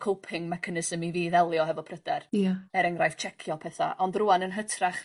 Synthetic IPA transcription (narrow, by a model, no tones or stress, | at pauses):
kʰowpʰɪŋmɛkʰanɪsəmiviːðɛlˠjɔɦɛvɔpʰrəd̥ɛrjaɛɾɛŋrajft͡ʃʰɛkʰjɔpʰɛθa̰ʔɔndruanənɦətʰraχ